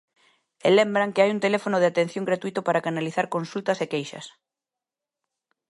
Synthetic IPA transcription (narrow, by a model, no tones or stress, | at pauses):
elembɾaŋkɪajunt̪elefonoðeat̪ẽn̟θjõŋɡɾat̪uit̪ʊpaɾakanaliθaɾkonsult̪ɐsekejʃɐ̰s